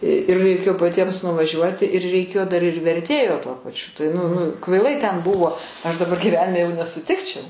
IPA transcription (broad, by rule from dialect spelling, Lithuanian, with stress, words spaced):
ɪr rɐɪˈkʲeːjoː pɐˈtʲiɛms nʊʋɐˈʒʲuɔtʲɪ ɪr rʲɛɪˈkʲeːjoː ˈdɐr ɪr ʋʲɛrʲˈtʲeːjoː tuɔ pɐˈt͡ʃʲʊ tɐɪ nʊ nʊ kʋɐɪˈlˠɐɪ tʲɛn ˈbʊʋoː ˈɐʃ dɐˈbɐr ɡʲiːˈʋʲæːnʲɪmʲɛ jɛʊ nʲɛsʊˈtʲɪkt͡ʃʲɛʊ